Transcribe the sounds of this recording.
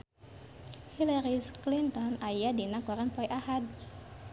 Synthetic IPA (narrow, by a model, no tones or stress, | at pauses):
hilaɾisklint̪ɔnajadinakɔɾanpɔjʔahad̪̚